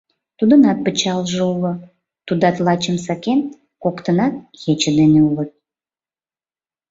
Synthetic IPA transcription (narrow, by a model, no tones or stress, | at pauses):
t̪ud̪ənɑt̪̚pət͡ɕɑlʒəulə̆ | t̪ud̪ɑt̪lɑt͡ɕəmsɑken | kokt̪ənɑt̪̚ɣet͡ɕəd̪eneulət̪̚